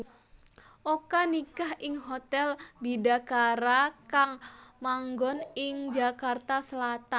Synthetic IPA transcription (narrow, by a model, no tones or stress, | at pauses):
ʔokanikahʔɪŋɦot̪ɛlbidakaɾakaŋmaŋɡɔnɪŋd͡ʒakart̪asəlat̪an